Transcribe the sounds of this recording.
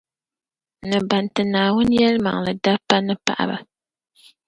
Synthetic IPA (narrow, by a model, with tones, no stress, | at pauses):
nɨ˨ba˨ntɨ˨naː˨wʊ˦n˦jɛ˦lma̰˨ŋ˨lɨ˨da˦pːa˦nɨ˦pa̰˨ʔa̰˨ba̰˨